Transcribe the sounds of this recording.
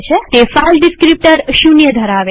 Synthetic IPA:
t͡ʃʰet̪efalɖiskɾip̚ʈəɾʃunjəd̪ʱəɾaʋe

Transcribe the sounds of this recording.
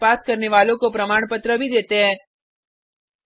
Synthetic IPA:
pat̪̚kəɾneʋalõkopɾəmaɳpət̪ɾəbʱid̪et̪eɦɛ

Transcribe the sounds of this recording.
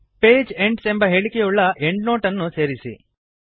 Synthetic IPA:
peːd͡ʒe̞ɳɖsembɐɦe̞ːɭikejuɭːɐʔe̞ɳɖno̞ːʈɐnːuse̞ːɾisḭ

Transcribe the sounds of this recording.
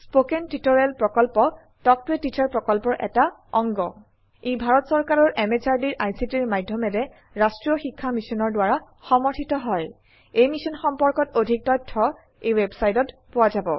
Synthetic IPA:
spokentitɔɹɛlpɹɔkɔlpɔ | tɔk̚pɹetitʰaɹpɹɔkɔlpɔɹʔɛ̰ta | ɔŋɡɔ | ebʱaɹɔtsɔɹkaɹɔɹʔɛmet͡ʃaɹdiɹʔajsitiɹmajdʱjɔmɛdɛ | ɹastɹiɔxikʰːamisɔnɔɹdwaɹa | xɔmɔɹtʰitɔɦɔj | ejmisɔnxɔmpɔɹkɔtodʱik̚tɔjtʰːɔ | ejwɛbsajtɔtpʊwazabɔ̰

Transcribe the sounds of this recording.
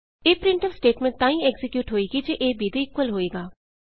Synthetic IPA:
eːpɾɪɳʈəlsʈeːʈmẽɳt̪ãːĩːɛɡzɪkjuːʈɦoːiːɡid͡ʒeːʔeːbiːd̪iːɪkwəlɦoːeːɡaː

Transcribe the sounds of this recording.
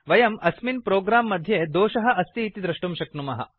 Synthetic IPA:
ʋɐjɐmɐsminpɾoːɡɾaːmːɐd̪ʱjeːd̪oːʃɐɦɐ̆ʔɐst̪iːt̪id̪ɾɐʂʈumʃɐknumɐɦɐ̰

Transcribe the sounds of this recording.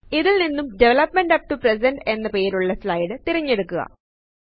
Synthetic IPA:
iðilninːumɖeʋɐlɐpmeɳɖɐp̚ʈupresɐnɖe̞nːɐpe̞ːɾuɭːɐslɐjɽɨt̪iɾɐɲːe̞ɽukːuɣɐ̰

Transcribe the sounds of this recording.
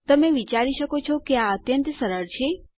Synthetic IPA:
t̪əmeʋit͡ʃaɾiʃəkot͡ʃʰokeaət̪jənt̪səɾəɾt͡ʃʰe

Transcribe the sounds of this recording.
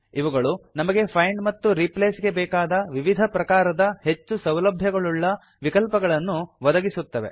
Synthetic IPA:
iʋɐɡɐɭunɐmɐɡe̞pʰɐjɳɖmɐt̪ːuɾipleːsɡe̞bɛːkaːd̪ɐʋiʋid̪ʱɐpɾɐkaːɾɐd̪ɐhe̞t͡ʃːusɐwlɐbʱjɐɡɐɭuɭːɐ | ʋikɐlpɐɡɐɭɐnːuʋɐd̪ɐɡisut̪ːɐʋe̞̰

